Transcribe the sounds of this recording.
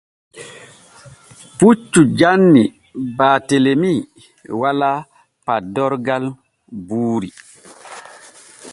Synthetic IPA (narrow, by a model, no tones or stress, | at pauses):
put͡ʃːud͡ʒanːi | baːtelemi | wala | padɔɾɡal | buːɾi